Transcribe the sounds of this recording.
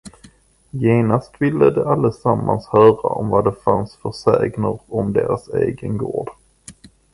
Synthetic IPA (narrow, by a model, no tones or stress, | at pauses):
jeːnast̪vɪlːəd̪ɛʔalːəsamːanshœːɾaʔɔmvad̪ɛfansfœsɛːɡnəɾɔmd̪eːɾaseːɡənɡoːɖ